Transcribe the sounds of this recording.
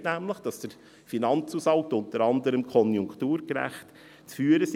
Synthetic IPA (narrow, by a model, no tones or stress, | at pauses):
tnæmləχd̥ɑsd̥ə | finɑnt͡suːsɑltʊntəɾɑndəɾəmkʰɔnjʊŋktuːɾɡɾæ̰χt | t͡sfyːəɾəs